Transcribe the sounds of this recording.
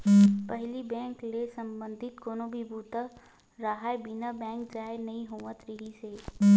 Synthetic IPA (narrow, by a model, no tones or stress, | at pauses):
pəɦlibɛ̃ːŋklesəmbə̃nd̪ʱɪt̪koːnobʱibuːt̪a | ɾaɦaːebɪnabɛ̃ːŋkd͡ʒaːenɐĩɦuʋət̪ɾɪɦiseː